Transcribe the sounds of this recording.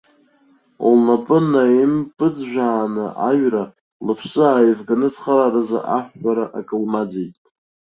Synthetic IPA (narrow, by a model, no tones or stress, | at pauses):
lnapʼɨnaimpʼɨd͡zʒʷᶣaːnɨʔaɥra | lɨpʰsɨaːjvɡanɨt͡sʰχaraɾza̰ʔaħʷᶣːaɾaʔakʼɨlmad͡zejtʼ